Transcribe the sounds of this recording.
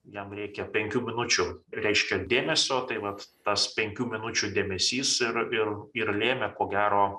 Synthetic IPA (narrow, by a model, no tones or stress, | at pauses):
jɛmɾʲɛɪkʲɛpʲɛŋʲkʲuːmʲɪnʊt͡ʃʲʊɾʲɛɪʃʲkʲɛd̪ʲeːmʲɛsʲoːt̪ɐɪʋɐt̪ːɐspʲɛŋʲkʲuːmʲɪnʊt͡ʃʲud̪ʲeːmʲɛsʲiːsɪɾɪrɪɾlʲeːmʲɛkoːɡʲæːɾoː